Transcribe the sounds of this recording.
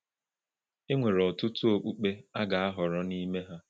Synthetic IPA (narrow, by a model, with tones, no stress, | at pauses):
e˦ŋʷe˨ɾɔ˨tʊ˦tu˦o˨k͡pu˦k͡pe˦a˦ɡa˨a˦ɦɔ˨ɾɔ˦ni˦me˦ɦa˦